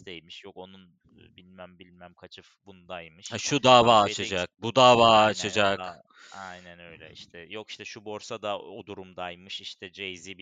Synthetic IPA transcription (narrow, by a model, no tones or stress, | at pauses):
st̪ejmiʃjo̞ko̞nunː | bilʲmæmbilʲmæmkʰat͡ʃʰɯfbunud̪ajmɯʃaʃud̪aːvaːt͡ʃʰad͡ʒak̚bud̪aːvaːt͡ʃʰad͡ʒak | ajnænø̞jlʲɛ̰ḭʃt̪ʰɛjoki̥ʃt̪ɛʃubo̞ɾsad̪aod̪uɾumd̪ajmɯʃiʃt̪ʰɛd͡ʒejzibi